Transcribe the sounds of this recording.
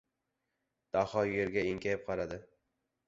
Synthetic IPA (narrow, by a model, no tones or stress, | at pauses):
d̪̥ahɒjeɾɡʲaɪŋkʲʰajɪp̚qʰɑlad̪ɪ